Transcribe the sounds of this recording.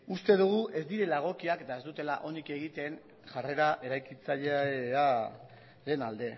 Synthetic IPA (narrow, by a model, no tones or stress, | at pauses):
ust̪e̞ð̞uɣ̞uʔe̞zd̪iɾe̞laɣ̞o̞kiaket̪ae̞zd̪ut̪e̞la̰ʔo̞nike̞ɣ̞it̪e̞n | ʝare̞ɾaʔe̞ɾajkit͡saʎea | ɾe̞nald̪e̞